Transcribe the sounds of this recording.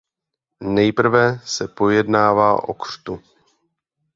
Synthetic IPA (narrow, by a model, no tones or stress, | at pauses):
nɛjpr̩vɛsɛpo̞jɛdnaːvaːʔo̞̰kr̝̥t̪u